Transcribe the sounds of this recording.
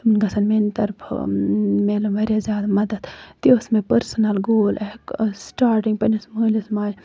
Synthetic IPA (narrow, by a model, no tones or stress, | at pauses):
unɡɐsɐnment̪ɐɾpʰmeːlumʋɐɾʲjazʲjaːd̪amɐd̪ɐd̪̥t̪iosmepɐɾsɐnɐlɡoːlʔeksʈaːɾʈiŋɡpɐnismoːlismaːlʲ